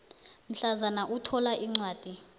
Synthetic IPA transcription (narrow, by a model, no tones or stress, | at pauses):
m̩ɬazanaʔutʰɔlaʔiŋ͡ǀwaːd̥ʱi